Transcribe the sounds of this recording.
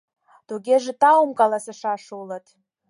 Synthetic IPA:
d̥uɡʲeʐɨtʰʼawmkʼalasaʂaʂuwlatʰʼ

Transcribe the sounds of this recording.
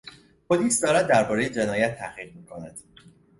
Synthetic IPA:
pʰoliːsd̪ɒːɾæd̪̚ːæɾbɒːɾejed͡ʒe̞nɒːjæt̪ʰːæhʁiːʁ̚miːkʰo̞næd̪̥

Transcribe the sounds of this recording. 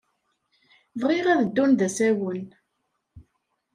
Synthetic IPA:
vʁiʁæðəd̪ːunðæsæwən

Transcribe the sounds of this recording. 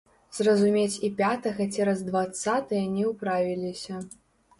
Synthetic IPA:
z̥rɐzumʲet͡sʲipʲat̪ɐɣɐt͡sʲɛɾɐzd̪vat̪sat̪ɨjɐnʲɛwpɾavʲilʲisʲɐ

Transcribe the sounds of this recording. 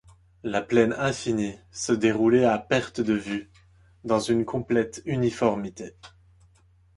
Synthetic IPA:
laplɛnɛ̃finisəd̪eʁulɛapɛʁt̪d̪əvy | d̪ɑ̃zynkʰɔ̃plɛt̪ynifɔʁmit̪e

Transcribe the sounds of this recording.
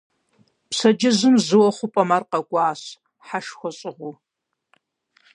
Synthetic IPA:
psɐd͡ʒɐzɨmzɨwɔχʷʊpʼɐmarqɐɡʷʼɑːɕ | ħaʂxʷɔɕʼɪʁʷʊ

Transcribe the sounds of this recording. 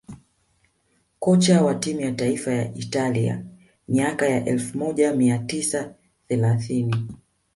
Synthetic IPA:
kɔt͡ʃawatimujataifajaʔitalia̰ | miakajaʔɛlfumɔʄamiatisa | θɛlaθini

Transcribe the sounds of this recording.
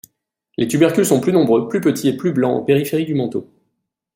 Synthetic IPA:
lʔet̪ybɛʁkʲylsɔ̃plynɔ̃bʁøplypət̪ʰieplyblɑ̃ɑ̰̃peʁifeʁid̪ymɑ̃t̪o̰

